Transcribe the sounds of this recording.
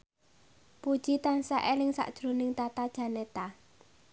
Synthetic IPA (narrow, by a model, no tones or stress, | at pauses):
pud̥ʒ̥it̪ansaʔelɪŋsa̰ʔd̥ʒ̥ɾo̤nɪŋt̪at̪ad̥ʒ̥a̤net̪a